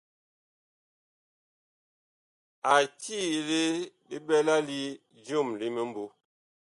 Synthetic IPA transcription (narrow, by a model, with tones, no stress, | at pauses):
a˨ti˦˨le˦bi˦bɛ˦la˦li˦ | d͡ʒjo˦˨mli˦me˨m˦bo˨˦